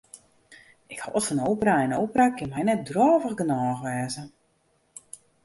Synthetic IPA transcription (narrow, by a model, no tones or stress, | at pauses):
ɪkha̰ɔtfɔnowpəraɪnowpərakɪnmɛjnɛt̚drɔːvəxɡənɔːxʋɛːzə